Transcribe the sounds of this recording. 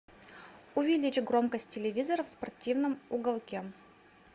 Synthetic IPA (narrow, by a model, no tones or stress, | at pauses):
ʊvʲɪlʲit͡ɕɪɡɾomkəsʲt̚ʲtʲːɪlʲɪvʲizəɾəfspɐrtʲʰivnɨmʊɡɐlˠkʲe